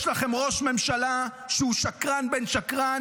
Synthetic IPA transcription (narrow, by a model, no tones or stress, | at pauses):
ʃlaχemʁo̞ʃme̞mʃala | ʃeuʃakʁanbenʃakʁa